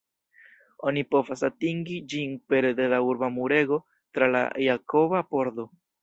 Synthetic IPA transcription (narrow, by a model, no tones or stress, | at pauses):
o̞nipo̞vasatiŋɡid͡ʒinpe̞ɾede̞lauɾbamuɾe̞ɡo̞ | tɾala̰jako̞bapo̞ɾdo̞